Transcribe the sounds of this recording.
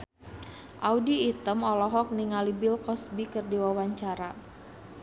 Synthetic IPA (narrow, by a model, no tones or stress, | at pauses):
ʔaudiːt̪əmɔlɔɦɔk̚niŋalibilkɔsbikərdiwawaɲt͡ʃaɾa